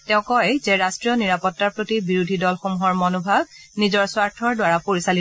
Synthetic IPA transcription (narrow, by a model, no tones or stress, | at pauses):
tɛʊ̃kɔjzɛɹastɹijɔniɹapɔtːaɹpɹotibiɹudʱidɔlxomuɦɔɹmɔnubʱab̚nizɔɹswaɹtʰɔɹdwaɹapoɹisali